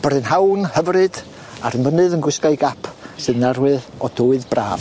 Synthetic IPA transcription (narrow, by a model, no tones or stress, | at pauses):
b̥rɨnhawnhəvrɨd̥ | a̰ɾənvənɨðənɡwɪskaɨɡapʰsɨðnarwɨðɔduːɨðbra̰ːv